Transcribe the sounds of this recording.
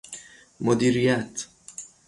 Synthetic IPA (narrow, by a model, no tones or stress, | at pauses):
mod̪iːɾijæt̪ʰ